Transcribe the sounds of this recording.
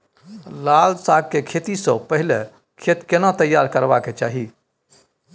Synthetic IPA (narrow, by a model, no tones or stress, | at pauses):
laːlsaːɡ̚kekʰeːt̪isə̃pəɦɪle | kʰet̪kenat̪əjːaːɾkəɾbaket͡ʃaːɦi